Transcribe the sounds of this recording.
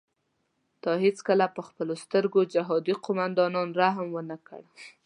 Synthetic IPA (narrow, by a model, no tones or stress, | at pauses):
d̪̥ɑɦet͡skəlapəxpəlost̪əɾɡod͡ʒaɦɑd̪iqʊmand̪ɑnɑnɾaɦmwənakə̰ɽ